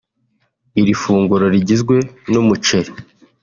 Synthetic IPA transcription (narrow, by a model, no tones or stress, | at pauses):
iɾifuːŋɡuɾo̞ɾiɟizɡwe̞numut͡ʃeɾe